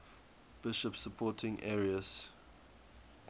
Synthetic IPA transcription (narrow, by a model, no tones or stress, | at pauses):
b̥ɪʃəpsəpʰɔːˑtʰɪ̃ŋʔɛːɹiəs